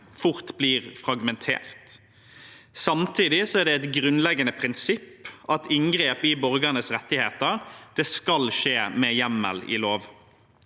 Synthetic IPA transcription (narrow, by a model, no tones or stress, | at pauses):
fʊʁt̪bliːʁfɾɑɡmɛnt̪ʰḛːʁt̪ | sɑmt̪ʰiːd̪ɪsɔæʁɖ̪ɛɛt̪ɡɾʉnlɛɡənəpʰɾɪnsɪpʔɑt̪ɪŋɡɾeːpɪbɔɾɡənəsɾɛt̪ːɪheːt̪əʁd̪̥ɛskɑlʃeːmɛjæmːə̰lɪ̰ːloːʋ